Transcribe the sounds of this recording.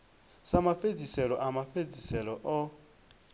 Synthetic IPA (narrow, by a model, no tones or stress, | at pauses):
samafed͡zisɛlɔʔamafed͡zisɛlɔʔɔ